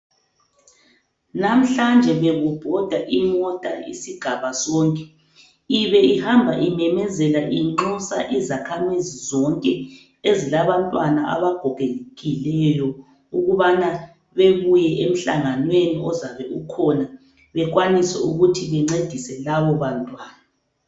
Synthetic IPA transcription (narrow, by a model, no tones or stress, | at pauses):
nam̩ɬand͡ʒʱɛβɛɣub̥ʱɔd̥ʱaʔimɔtʼa̰ḭsiɡ̥ʱaβasɔːŋkʼɛ | iβɛihambʱaʔimɛmɛzɛlaʔiŋ͡ǃɔsaʔizakʰamizizɔŋkʼɛ | ezilaβantʼwanaʔa̰βaɡ̥ʱɔɣʱenɣilɛjɔ | uɣuβana | βeβujɛʔem̩ɬa̰ŋanweniɔzaβɛukʰɔna | βɛɣwanisɛ̰uɣutʰiβɛŋ͡ǀed̥ʱisɛlaβɔβantʼwaːna